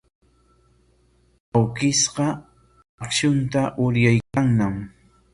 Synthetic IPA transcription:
awkɪsɢɑ | kʃʊnt̪aʔʊɾjajkaŋnam

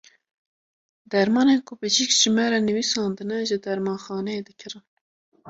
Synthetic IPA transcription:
d̪ɛɾmɑːnekʰʊbɨd͡ʒikʒɨmɛɾɛnɨwisɑːnd̪ɨnɛʒɨd̪ɛɾmɑːnxɑːnɛed̪ɨkʰɨɾɨ

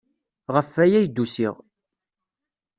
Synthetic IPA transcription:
ʁəfːæjæjd̪ːusḭʁ

